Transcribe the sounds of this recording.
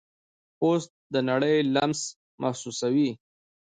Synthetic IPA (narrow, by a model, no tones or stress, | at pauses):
ost̪̚d̪ənaɽəjlams | mʔahsusawi